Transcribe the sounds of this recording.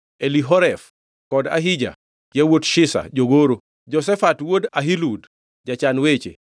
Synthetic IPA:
eliɦɔɾɛf | kɔda̰ɦid͡ʒa̰ | kɪawotʃɪsa̰d͡ʒoɡoɾo | d͡ʒɔsɛfatwodaɦilud | d͡ʒat͡ʃanwet͡ʃḛ

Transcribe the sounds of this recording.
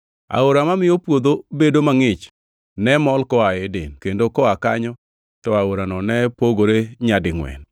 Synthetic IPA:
a̰oɾamamɪopwod̪obedomaŋɪt͡ʃ | nɛmɔlkɔaedenkendokɔaka̰ɲɔ | tɔaoɾanɔnɛpoɡoɾeɲadɪŋwɛ̰n

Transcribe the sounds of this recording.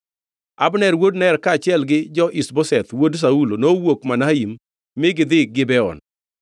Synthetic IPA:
abnɛɾwodnɛɾkat͡ʃɪɛlɡɪd͡ʒɔʔisbɔsɛt̪wods̬aulonowokmanaimː | ɪɡɪd̪ɪk̚ɡɪbɛɔ̰n

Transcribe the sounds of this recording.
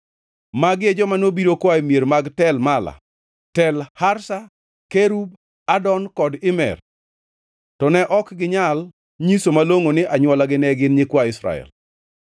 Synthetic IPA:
maɡed͡ʒɔmanobiɾokwaimjeɾmaɡtɛlmala̰ | tɛlhaɾsa | keɾub̚ | adɔnkɔdɪmɛ̰r | tɔnɛʔɔkɡɪɲal | ɲisomaloŋonɪʔaɲwɔlaɡɪnɛɡɪnɲɪkwaɪsɾa̰ɛ̰l

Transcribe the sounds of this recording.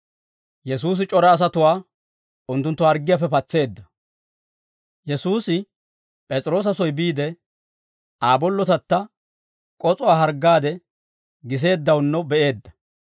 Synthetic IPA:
jɛsuːs̬ɪt͡ʃʼɔɾɐːs̬ɐt̪ʊwaː | ʊnt̪ːʊnt̪ːɔɐɾɡɪjafɛpɐt͡sːe̞ːd̪ːɐ | jɛsuːsɪ | pʼɛt͡sʼɾo̞ːs̬ɐsɔjbiːd̪ɛ | aːbɔlːɔt̪ɐt̪ːɐ | kʼɔt͡sʼɔwaːɦɐɾɡːaːd̪ɛ | ɡɪs̬e̞ːd̪ːɐwnːɔbɛʔe̞ːd̪ːɐ̥

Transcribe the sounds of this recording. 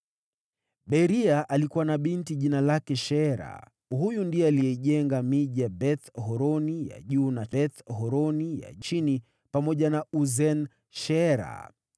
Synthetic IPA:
ɓɛɾiaʔalikuwanaɓintiʄinalakɛʃɛɛɾa̰ | hujundiɛalijɛiʄɛŋɡamiʄaɓɛθɦɔɾɔnija̰ʄuːnaɛθɦɔɾɔnija̰t͡ʃini | pamɔʄanauzɛn | ʃɛɛɾa̰

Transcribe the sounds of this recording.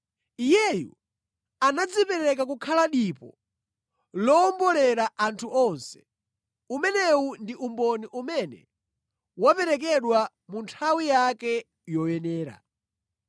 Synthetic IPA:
ijɛjṵ | anad͡zipɛɾɛk̬akukʰalaɗipɔ̰ | lɔːmbɔlɛɾaʔantʰuʔɔnsɛ̥ | umɛnɛundiʔumbɔniʔumɛnɛ̰ | wapɛɾɛk̬ɛɗwa | muntʰawijakɛ | jɔjɛnɛːɾa̰

